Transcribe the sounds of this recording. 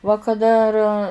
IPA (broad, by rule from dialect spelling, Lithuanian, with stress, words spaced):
ʋɐ kɐˈdɐ ɐr